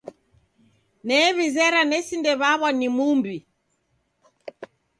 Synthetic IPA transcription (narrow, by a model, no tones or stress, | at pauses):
nɛːβizɛɾanɛsindɛβaβwanimumbi